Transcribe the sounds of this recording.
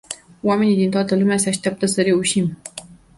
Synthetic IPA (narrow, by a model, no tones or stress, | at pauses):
wame̞nid̪int̪oat̪əlumeaseaʃt̪jap̚t̪əsəɾe̞uʃim